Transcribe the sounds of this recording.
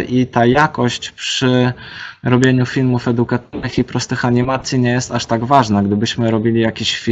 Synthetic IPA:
ʔit̪ajakɔɕt͡ɕpʂɘ | ɾɔbʲjeɲufʲilmufɛd̪ukat̪nɘxipɾɔst̪ɘxaɲimat̪sʲjiɲɛjɛst̪aʂt̪aɡvaʐnaɡd̪ɘbɘɕmɘɾɔbʲilʲijakʲiɕfʲi

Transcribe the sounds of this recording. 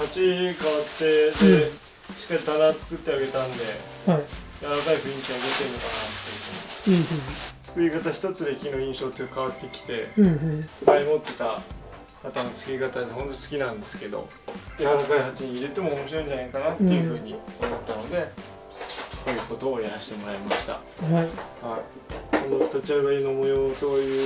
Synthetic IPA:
hat͡ɕikaβat̪ːe̞d̪e | ɕi̥kːait̪anat͡sɨ̥kɯ̟t̪ːe̞aɡe̞t̪ãnd̪e̞ | ajaɾakaiɸɯ̟ĩŋkʲiaɡet̪einːo̞kanat̪ːe̞jɯ̟ɸɯ̟ːɲi | t͡sɨ̥kɯ̟ikat̪aɕi̥t̪ot͡sɨɾe̞kʲino̞ĩɰ̃ɕo̞ːt̪ːekaβ̞at̪ːe̞kʲi̥t̪e̞ | sbaɲʲimo̞t̪ːe̞t̪a | kat̪anot͡sɨ̥kɯ̟ikat̪aɲeɦõ̞nt̪o̞sɨ̥kʲinãnd̪e̞sɨ̥ke̞d̪o̞̰ | jaaɾakaiɦat͡ɕiɲ̟iːɾe̞t̪e̞mo̞ːmo̞ɕiɾo̞ĩɲ̟d͡ʑanaikanat̪ːe̞jɯ̟ɸɯ̟ːɲ̟iomo̞t̪ːano̞d̪e̞ | kojɯko̞t̪oːjaɾaɕi̥t̪e̞mo̞ɾaimaɕi̥t̪a̰ | hai | konot̪at͡ɕiaɡ̪aɾʲinomo̞joːsoːjɯː

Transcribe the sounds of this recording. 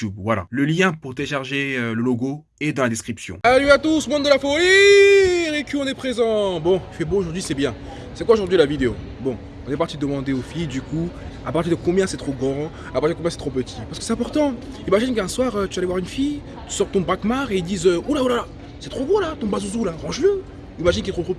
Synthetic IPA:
ubvwala̰ləljɛ̃puʁd̪eʃaʁʒeøləloɡo | ed̪ɑ̃lad̪eskχipsjɔ̰̃salyat̪usmɔ̃d̪d̪əlafoli | ʁekʲiɔ̃nɛpχezɑ̃bɔ̃fɛbooʒuʁd̪ɥisɛbjɛ̃ | sɛkwaoʒuʁd̪ɥilavid̪eo̰ | bɔ̃ | ɔ̃nɛpaʁt̪id̪d̪əmɑ̃d̪eofijd̪ykua̰paʁt̪̬ʲiʁd̪əkɔ̃bjɛ̃sɛt̪χoɡo | apaʁtiʁd̪əkɔ̃bjɛ̃sɛt̪χopət̪ʰi̥paʁskəsɛt̪ɛ̃pɔʁt̪ɑ̃imaʒinkəɛ̃swaʁøt̪yalevwaʁynfij | t̪y̥sɔʁt̪ɔ̃bʁakmaʁeild̪izøulaulala | sɛt̪χoɡʁolat̪ɔ̃bazuzulaʁɑ̃ʒlə | imaʒinkiɛt̪χot̪ʁo

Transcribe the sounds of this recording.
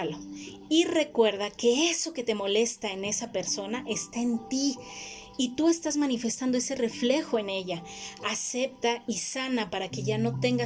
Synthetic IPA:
lo | ire̞kwe̞ɾðake̞e̞so̞ke̞t̪e̞mo̞le̞st̪ae̞ne̞sape̞ɾso̞naʔe̞st̪ae̞nt̪iː | t̪ue̞st̪azmanife̞st̪and̪oe̞se̞re̞fle̞xo̞ene̞ʝaːse̞p̚t̪aisanapaɾake̞ʝano̞t̪e̞ŋɡa

